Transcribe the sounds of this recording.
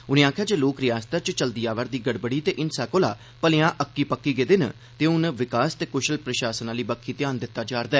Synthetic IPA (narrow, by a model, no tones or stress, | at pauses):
ʊnẽːaːkʰjaːd͡ʒeːloːkɾɪjaːst̪ət͡ʃt͡ʃəld̪iːaːʋəɾd̪iːɡəɽbəɽiːt̪eːʔɪnsaːkoːla̰ː | pəlejãːʔəkːiːpəkːiːɡeːd̪ɪn | t̪eːʊnʋɪkaːst̪eːkʊʃəlpɾəʃaːsənaːliːbəkʰːiːt̪ɪjaːnd̪ɪt̪ːaːd͡ʒaːɾd̪aɛː